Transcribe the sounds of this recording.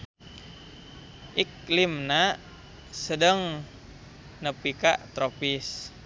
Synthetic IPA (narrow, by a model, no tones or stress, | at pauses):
ʔiklimna | sədəŋ | nəpika̰ʔt̪ɾopis